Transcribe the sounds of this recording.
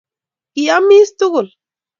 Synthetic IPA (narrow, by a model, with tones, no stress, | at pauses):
kiami˦st̪u˦ɣʊ˨l